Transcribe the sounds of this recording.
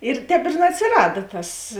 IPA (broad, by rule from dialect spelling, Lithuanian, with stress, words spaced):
ɪr ˈtʲɛːp ɪr nʲɛɐtʲsʲɪˈrɑːdɐ ˈtɐs